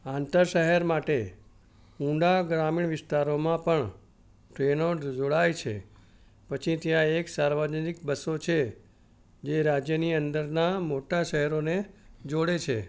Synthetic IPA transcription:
ãnt̪əɾʃəɦɛɾmaʈe | ũɖaɡɾamiɳʋɪst̪aɾomãpəɳ | ʈɾenoɾd͡ʒoɽajt͡ʃʰḛ | pət͡ʃʰit̪jãeksaɾʋad͡ʒnikbəsot͡ʃʰe | d͡ʒeɾad͡ʒjəniənd̪əɾnamoʈaʃəɦɛɾoned͡ʒoɽet͡ʃʰḛ

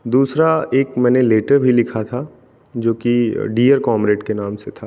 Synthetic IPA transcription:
d̪uːsɾaeːkmɛ̃ːneleːʈəɾbʱilɪkʰat̪ʰa | d͡ʒoːkiɖiːəɾkɔːmɾeːʈkenãːmset̪ʰaː

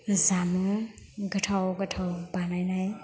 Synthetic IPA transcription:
zamuŋɡətʰawɡətʰawbanajnaj

